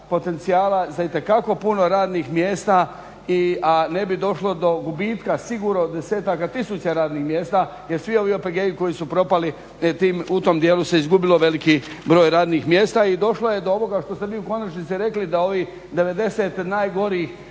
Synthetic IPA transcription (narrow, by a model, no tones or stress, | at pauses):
po̞t̪e̞nt̪sijaːlazait̪e̞kako̞puno̞ɾaːd̪nixmjeːst̪a | iane̞bid̪o̞ʃlo̞d̪o̞ɡubiːt̪kasiɡuːɾod̪e̞se̞ːt̪akat̪isut͡ʃeɾaːd̪nixmje̞ːst̪a | je̞ɾsʋio̞ʋiopeɡeːjiko̞jisupɾo̞pali | t̪iːmut̪o̞md̪jeːluseizɡubilo̞ʋe̞liki | bɾo̞ːjɾaːd̪nixmje̞ːst̪aid̪o̞ʃloje̞d̪o̞o̞ʋo̞ɡaʃt̪o̞st̪eʋiːuko̞nat͡ʃnit̪siɾe̞klid̪ao̞ʋi | d̪e̞ʋe̞d̪e̞set̪naːjɡo̞ɾiiːx